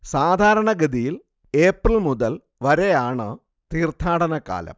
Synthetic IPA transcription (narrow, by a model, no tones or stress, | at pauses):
saːd̪ʱaːɾɐɳɐɡɐd̪ijil | e̞ːprɐlmuðɐl | ʋɐɾejaːɳɨ | t̪iːrt̪ʰaːɽɐnɐka̰ːlɐ̰m